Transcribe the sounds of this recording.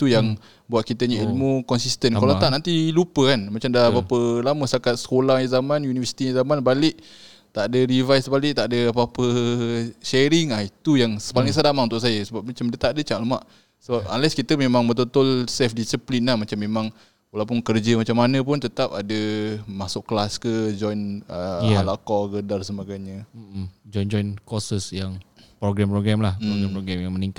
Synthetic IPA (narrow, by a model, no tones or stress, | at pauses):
it̪ujaŋ | buat̪̚kit̪əɲəilmukɔnsist̪ənkkalaaʔnant̪ilupəkanmat͡ʃamdapapəlaməst̪akat̪̚sə̥kolahɲəzamanjunivəsi̥t̪iɲəzamanbalɪʔ | t̪aʔdəɾivajsbalɪʔ̚t̪aʔdəapapə | ʃɛɾiŋahit̪ujaŋsə̥palɪiŋsadamaunt̪ʊʔs̬ajəsəbap̚mat͡ʃamdiat̪aʔdət͡ʃaʔləmaʔ | səbap̚a̰nlɛskit̪əmemãŋbət̪̬ot̪ʊlsɛfdisiplinːahmat͡ʃamːemaŋ | wəlawpʊnkərd͡ʒəmat͡ʃamːanə̃p̬ʊnt̪ət̪apadəmasʊʔklaskəd͡ʒɔjnəalaʔkɔɡədarsəbaɡajɲə | d͡ʒɔjnd͡ʒɔjnkɔsəsjaŋpɾoɡɾɛmpɾoɡɾɛmlahoɡɛmpɾoɡɾɛmjaŋməniŋkat̚